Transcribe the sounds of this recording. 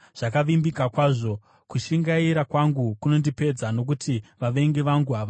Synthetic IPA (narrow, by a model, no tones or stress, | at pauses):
ʐ̥akaʋimbikakwaːʐo̞ | kuʃiŋɡaiɾakwaŋɡukuno̞ndipe̞d͡zano̞k̬utʰiʋaʋe̞ŋɡeʋaŋɡuɦaʋa